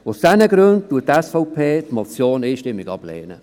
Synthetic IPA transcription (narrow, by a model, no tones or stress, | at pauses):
ʊsd̥ɛnəɡɾønd̚tuːət̚ːɛsfɔʊpʰeːtmɔt͡sjoːniːʃtɪmːɪɡɑb̥lɛ̰ːnə̰